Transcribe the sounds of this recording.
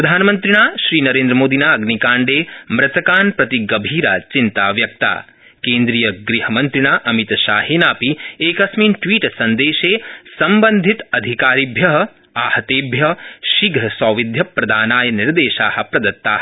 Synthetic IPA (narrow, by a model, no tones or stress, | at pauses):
ppɾɐd̪ʱaːnɐmɐnt̪ɾiɳ̃aːʃɾiːnɐɾẽːnd̪ɾɐmoːd̪inaːɐɡnikaːɳɖeːmɾɐt̪ɐkaːnpɾɐt̪iɡɐbʱiːɾaːt͡ʃint̪aːʋjɐk̚t̪a̰ː | keːnd̪ɾiːjɐɡɾiɦɐmɐnt̪ɾiɳ̃aːʔɐmit̪ʃa̰ːɦeːnaːpieːkɐsmiːnʈʋiːʈsɐnd̪eːʃeːsɐmbɐnd̪ʱit̪ɐd̪ʱikaːɾibʱjɐɦɐ | aːhɐt̪eːbʱjɐʃiɡʱɐsɔːʋid̪ʱjɐpɾɐd̪ʱaːnaːjɐniɾd̪eːʃaːhɐ̆pɾɐd̪ɐt̪ːaːhɐ